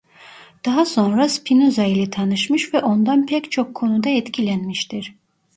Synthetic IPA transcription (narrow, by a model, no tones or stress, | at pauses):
d̪̥aɦaso̞nɾaspʰinuzailʲɛt̪ʰanɯʃmɯʃvɛʔo̞nd̪anpʰɛct͡ʃʰokʰːo̞nud̪aɛt̪cʰilʲænmiʃt̪ʰiɾ̥